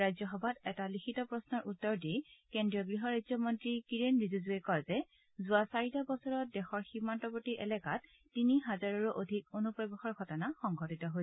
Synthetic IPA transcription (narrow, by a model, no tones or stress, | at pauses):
ajzɔxɔbʱatɛtalikʰitɔpɹɔsnɔɹutːɔɹdijkendɹijɔɡɹiɦɔɹajzɔmɔntɹikiɹenɹizuzuekɔɹzɛ | zʊasaɹitabɔsɔɹɔt̚dɛxɔɹximːantɔbotiʔɛlɛkat̚ | tiniɦazaɹɔɹuʔodʱikonupɹɔbɛxɔɹɡʱɔtɔnaxɔŋɡʱɔtitɔɦo